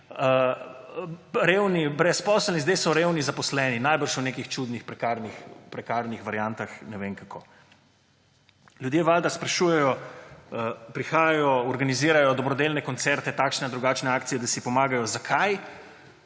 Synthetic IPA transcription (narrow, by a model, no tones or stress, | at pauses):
ɾeːwnibɾɛspɔsəlnizd̪ejsɔɾewnizapɔslɛːninajbəɾʃwnekixt͡ʃud̪nixpɾɛkaɾnixpɾɛkaɾnixʋaɾjant̪axnɛʋeŋkakʰoː | ljud̪jeːʋaːld̪aspɾɛʃuːjɛjɔ | pɾixaːjaajɔɔɾɡaniziːɾajɔd̪ɔbɾɔd̪elnɛkɔnt̪sɛɾt̪ɛt̪aːkʃnɛd̪ɾuɡaːt͡ʃnɛaːkt̪sijɛd̪asipɔmaːɡajɔzakʰaj